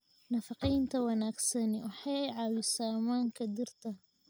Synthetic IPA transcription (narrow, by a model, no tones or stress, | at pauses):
nɐfɑqijnt̪ʰɐwɑnaːɡsɐnɛwɑħɑɛjʕɑːwɪsaːmaːŋkʰɐd̪ɪrt̪ʰɐ